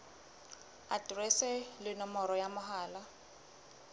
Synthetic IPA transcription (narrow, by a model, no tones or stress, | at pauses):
adrɛsɛlɪnɔmɔɾɔjamʊɦaːla